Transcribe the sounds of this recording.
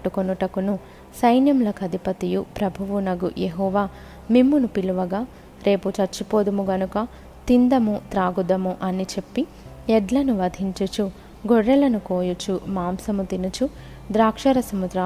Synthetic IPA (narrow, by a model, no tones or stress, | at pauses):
ʈːukonuʈɐkunu | sɐjnjɐmlɐkɐd̪ʱipɐt̪ijupɾɐbʱuʋunɐɡṵjeɦɔːʋaː | mimːunupiluʋɐɡaː | ɾe̞ːput͡ʃɐɾt͡ʃːipoːd̪umuɡɐnukɐ | t̪ind̪ɐmut̪ɾaːɡud̪ɐmuʔɐnit͡ʃe̞pːi | ɛɖlɐnuʋɐd̪ʱiɲt͡ʃut͡ʃu | ɡoɽːɐlɐnukoːjut͡ʃumaːmsɐmut̪inut͡ʃu | d̪ɾaːkʂɐɾɐsɐmud̪ɾa